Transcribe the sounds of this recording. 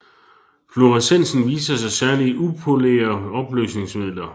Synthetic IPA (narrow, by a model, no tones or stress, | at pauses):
flo̝ʁɑsen̰sn̩ʋḭːsɐsɑ̈ɪsæɐliʔupʰo̝lḛːɐɒ̽b̥lø̰ːsne̝ŋsmið̰ˠlɐ